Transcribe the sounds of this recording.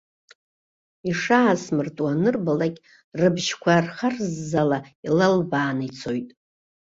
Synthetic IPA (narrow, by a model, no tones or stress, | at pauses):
iʂaːsmɨrtʼwanɨrbalakʲʼ | rɨbʒkʷʰarχarzːalailalbaːnit͡sʰo̞jtʼ